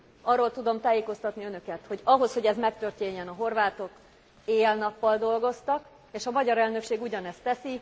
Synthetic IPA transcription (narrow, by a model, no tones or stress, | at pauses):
ɒrːo̞lt̪ud̪o̞mt̪aːjeːko̞st̪ɒt̪niønø̞kɛt̪ho̞ɟɒɦo̞sho̞ɟɛzmɛkt̪ø̞rt̪eːɲːɛnɒɦo̞rvaːt̪o̞k | eːlnɒpːɒld̪o̞lɡo̞st̪ɒk | eːʃɒmɒɟɒɾɛlnø̞kʃeːɡuɟɒnɛst̪ɛsi